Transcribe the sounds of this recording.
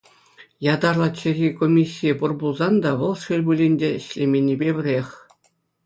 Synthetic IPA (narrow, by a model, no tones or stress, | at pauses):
jɑd̪ɑrlˠɑt͡ɕɘ̆rʲikomʲisʲːijepurbulˠzɑnd̪ɑʋɤ̆lˠʂɯlʲbulʲinʲdʲĕɕlʲemʲenʲːibʲebʲɘ̆rʲexʲ